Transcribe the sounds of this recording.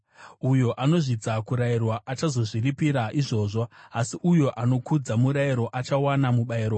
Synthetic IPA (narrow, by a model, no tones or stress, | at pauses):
ujo̞ʔano̞ʐid͡zakuɾairwaʔat͡ʃazo̞ʐiripiɾaʔiʐo̞ːʐo̞asiʔujo̞ʔano̞kud͡zamuɾaiɾo̞ʔat͡ʃawanamuɓaiːɾo